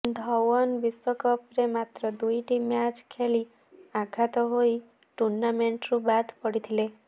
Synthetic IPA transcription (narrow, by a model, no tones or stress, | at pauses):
d̪ʱɔwɔnbisɔkɔpɾemat̪ɾɔd̪ujʈimjat͡ʃkʰeli | aɡʰʱat̪ɔɦoji | ʈuɾnameɳʈɾubad̪ʱpɔɽit̪ʰile